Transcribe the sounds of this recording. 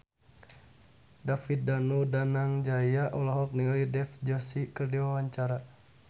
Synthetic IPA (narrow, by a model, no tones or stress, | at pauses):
dafit̪̚danudanaŋd͡ʒajjaʔɔlaɦɔk̚niŋalidɛfd͡ʒɔsikɨrdiwawaɲt͡ʃaɾa